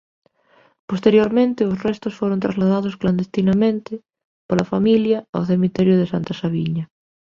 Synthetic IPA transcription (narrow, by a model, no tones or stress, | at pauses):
post̪eɾjoɾmẽnt̪ɪosrest̪osfoɾont̪ɾazlað̞aðoskland̪est̪inamẽnt̪ɪ | polafamiljaawθemit̪ɛɾjʊðesant̪asaβiɲɐ